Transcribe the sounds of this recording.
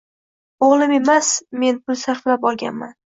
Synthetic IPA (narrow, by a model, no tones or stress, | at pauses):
oʁlˠɪme̞masme̞npʰʊlsaɾflap̚ɒlˠɡʲa̰nman